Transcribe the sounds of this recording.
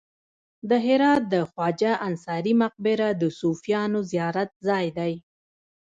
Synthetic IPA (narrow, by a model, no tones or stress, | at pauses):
d̪əɦɪɾɑt̪̚d̪əxwɑd͡ʒaʔansɑɾimaq̚bɪɾad̪əsufijɑnozijɑɾat̪̚zɑjd̪aj